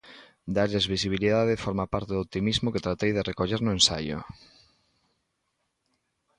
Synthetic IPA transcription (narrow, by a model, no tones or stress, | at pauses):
d̪aʎeɪzβisiβ̞iliðaðɪfoɾmapaɾt̪eðop̚t̪imizmoket̪ɾat̪ejðerekoʎeɾnʊẽnsa̰jʊ̰